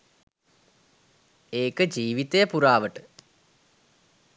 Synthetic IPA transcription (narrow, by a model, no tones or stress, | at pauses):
eːkəd͡ʒiːʋit̪ejəpuɾaːʋəʈə